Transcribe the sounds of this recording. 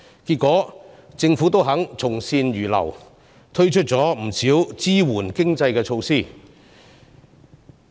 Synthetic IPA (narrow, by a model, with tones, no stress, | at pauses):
ki˧t̚kʷːɔː˨˥ | t͡sɪ˧ŋfuː˨˥t̪o˥wɦɐ˨˥ŋt͡sʰʊ˨˩ŋsiː˧njyː˨˩lɐ̰˨˩w | t̪ʰɵ˥ɥt͡ʃʰɵ˥t̚t͡sɔː˨˥m̩˨˩siː˨˥wt͡siː˥wuː˨˩nkɪ˥ŋt͡sɐ˧jkɛː˧t͡ʃʰo˧wsiː˥˩